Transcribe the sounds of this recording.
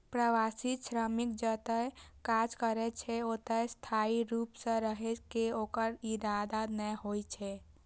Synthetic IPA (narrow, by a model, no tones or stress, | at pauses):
pɾəʋasiʃɾəmikd͡ʒət̪əjkad͡ʒkəɾɛt͡ʃʰɛot̪əst̪ʰaiɾupsə̃ɾəɦɛkeokəɾiɾad̪anəjɦojt͡ʃʰɛ